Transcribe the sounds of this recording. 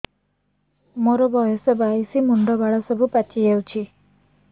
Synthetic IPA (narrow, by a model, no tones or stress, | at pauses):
moɾɔbɔjɔsɔbaisimuɳɖɔbaɽɔsɔbupat͡ʃijawt͡ʃʰi